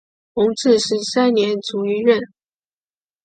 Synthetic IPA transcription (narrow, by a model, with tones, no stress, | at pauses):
xʊ˧˥ŋʈ͡ʂɻ̩˥˧ʂɻ̩˧˥sa˥nnjɛ˧˥nt͡su˧˥y˧˥ɻə˥˩n